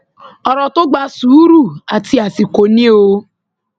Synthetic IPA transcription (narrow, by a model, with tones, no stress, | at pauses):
ɔ˨ɾɔ˨tʊ˦ɡ͡ba˦su˨˦ɾu˦˨a˨ti˦a˨si˨ko˨ni˦o˦